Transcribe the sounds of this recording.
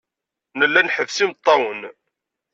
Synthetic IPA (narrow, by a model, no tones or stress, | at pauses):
nəlːænħəvsimt̪ˤːɑwən